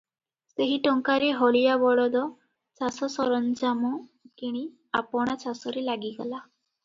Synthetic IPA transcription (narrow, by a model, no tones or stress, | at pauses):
seɦiʈɔŋkaɾeɦɔɭijabɔɽɔd̪ɔ | t͡ʃasɔsɔɾɔnd͡ʒamɔkeɽ̃i | apɔɽ̃at͡ʃasɔɾelaɡiɡɔ̰la